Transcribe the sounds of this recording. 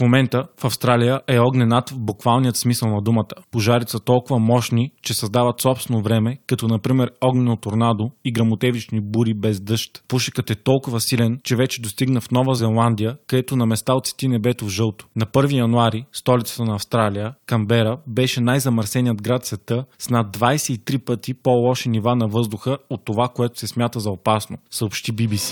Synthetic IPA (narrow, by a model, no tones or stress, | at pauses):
fmomɛnt̪əfɐfst̪ɾalijəʔɛɔɡnɛnat̪vbukvalˠnijət̪smisəlˠnɐd̪umət̪ə̥poʒaɾit̪sət̪ɔlˠkʊvɐmɔʃnit͡ʃɛsɐzd̪avɐt̪sɔpst̪vɛnovɾɛmɛkɐt̪ɔnɐpɾimɛɾɔɡnɛnot̪oɾnad̪oiɡɾɐmot̪ɛvit͡ʃnibuɾibɛzd̪ɤʃt̪puʃə̥kət̪ɛt̪ɔlˠkʊvəsilɛnt͡ʃɛvɛt͡ʃɛd̪ost̪iɡnəfnɔvəzɛlˠand̪ijəkɐd̪ɛt̪ʊnɐmɛst̪alot̪si̥t̪inɛbɛt̪ovʒɤlˠt̪o̥nɐpɤɾvijɐnuaɾist̪ɔlʲit̪ə̥t̪ənɐːfst̪ɾalijəkɐmbɛɾəbɛʃɛnajzɐmɐɾsɛnijəd̪ɡɾat̪svɛt̪ɤsnad̪̚dvajsɛit̪ɾipət̪ipolˠɔʃɛnivanɐvɤzd̪ʊxəot̪ːovakoɛt̪ʊ̥sɛsmʲjat̪əzɐopasnosəopʃt̪ibibisi̥